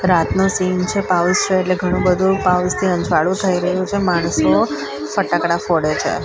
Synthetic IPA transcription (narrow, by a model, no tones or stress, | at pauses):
ɾat̪nusint͡ʃʰepaust͡ʃʰeːʈleɡʱəɽ̃ũbəd̪ʱũpaust̪ʰiə̃ɲd͡ʒʱʋaɽũt̪ʰəiɾəɦũt͡ʃʰemaɽ̃əso | fəʈakɽafoɽet͡ʃʰḛ